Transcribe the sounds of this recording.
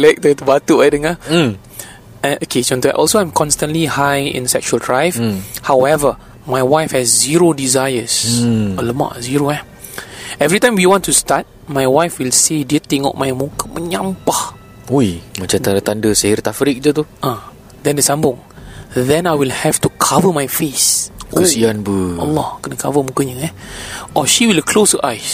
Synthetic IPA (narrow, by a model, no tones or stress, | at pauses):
lɛk̚t̪ət̪ubat̪uajdəŋa | aʔokʰet͡ʃɔ̃nt̪ua̰ʔɔlsoãj̃mkʰɔ̃nstə̃nlihajḭ̃nsɛk̚t͡ʃuəldɹajvhawɛvə | majwajfhɛsːiɹodizajəsələma̰ʔziɹoɛ | ɛvɹitãj̃mwiwɔ̃ntːustat̚ | majwajfwilsediət̪ɪ̃ŋɔ̰ʔmajmũkəmʔəɲãmpah | ujmat͡ʃat̪adət̪andəsahɪrt̪afɾɪk̚d͡ʒat̪uʔã | d̪ɛ̃ndəsãmbʊ̃ŋ | dɛ̃najwilhɛftukʰavəmajfeskəsianbəalːɔkənəkʰavəmũkəɲəɛ̃ʔɔʃiwilkʰlosəʔajs